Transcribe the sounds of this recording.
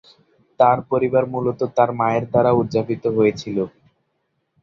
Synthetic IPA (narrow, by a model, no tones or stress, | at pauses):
t̪aɾpoɾibaɾmulot̪ot̪aɾmaeɾd̪aɾaudd͡ʑapit̪oɦojet͡ɕʰilo